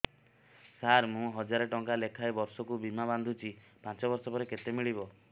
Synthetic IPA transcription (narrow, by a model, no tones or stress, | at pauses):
saɾmũɦɔd͡ʒaɾɔʈɔŋkalekʰaebɔɾsɔkubimaband̪ʱut͡ʃʰi | pãnt͡ʃɔbɔɾsɔpɔɾeket̪emiɭibɔ